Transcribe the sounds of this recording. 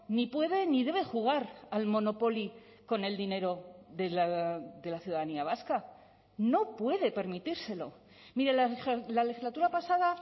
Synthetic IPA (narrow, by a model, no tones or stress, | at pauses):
nipwe̞ðe̞niðe̞βe̞xuɣ̞aɾalmo̞no̞po̞li | ko̞ne̞ld̪ine̞ɾo̞ðelaðe̞laθjuðaðaniaβ̞aska | no̞pwe̞ðe̞pe̞ɾmit̪iɾse̞lo̞̰ | miɾelale̞xizlat̪uɾapasaða